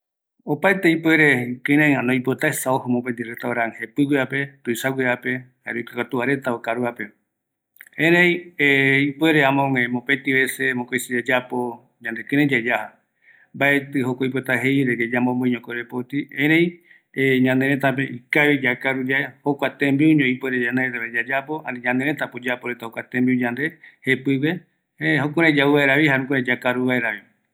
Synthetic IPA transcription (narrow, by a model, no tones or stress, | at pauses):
opaet̪eipweɾekɨ̃ɾẽãnõjpot̪aesaohomõpend̪iɾet̪aoɾãŋhepɨɡʷiape̞t̪uisaɡʷwiape̞haɾokakat̪uaɾe̞t̪aokaɾuape | ẽɾẽjeipweɾeamõŋemõpẽt̪iβesemõkojsid͡ʒad͡ʒapo | ɲãnd̪ekɨ̃ɾẽd͡ʒad͡ʒaha | mbaet̪ɨɦokoip̬oet̪aɦejɾed͡ʒed͡ʒamõmbõĩɲõkoɾepot̪iẽɾej | ɲãnd̪eɾẽt̪apeikaβed͡ʒakaɾud͡ʒaehokʷat̪embiuɲõipweɾed͡ʒaneet̪eβed͡ʒad͡ʒapoa̰nĩɲãnd̪eɾẽt̪apod͡ʒapoɾet̪ahokʷwat̪ẽmbiuɲãnd̪ehepɨwe | eɦokuɾed͡ʒauβaeɾaβihaɾũkuɾed͡ʒakaɾuβaeɾaβi